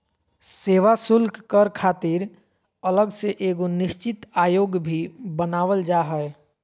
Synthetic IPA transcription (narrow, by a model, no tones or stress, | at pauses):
seːʋasʊlkkəɾkʰaːt̪iɾ | ələɡseʔeːɡonɪʃt͡ʃɪt̪aːjoːɡbʱibənaːʋəld͡ʒaːɦɛɛ